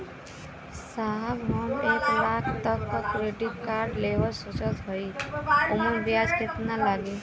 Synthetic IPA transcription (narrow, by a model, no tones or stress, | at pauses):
saɦabɦɔneklakʰt̪ʌk̚t̪ɔkːɾeɖiʈ̚kaɾɖlewɔɾsot͡ʃɔt̪ɦɔjomɔɾbjad͡ʒket̪nalaɡe